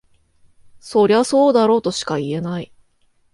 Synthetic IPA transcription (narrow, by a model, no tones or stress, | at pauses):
so̞ɾʲiaso̞ːd̪aɾo̞ːt̪o̞ɕi̥kaie̞nai